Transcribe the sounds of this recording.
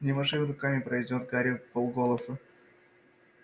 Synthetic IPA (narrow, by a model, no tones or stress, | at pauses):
nʲɪmɐʂɨmɪɾʊkamʲɪpɾɐjdʲo̞t̪ɡaɾʲɪpolˠɡolˠəsɨ